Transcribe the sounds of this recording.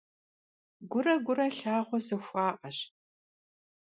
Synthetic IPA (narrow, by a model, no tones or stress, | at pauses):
ɡʷʊrɐɡʷʊrɐɬaːʁʷɔzɨxʷɑːʔʼɐɕ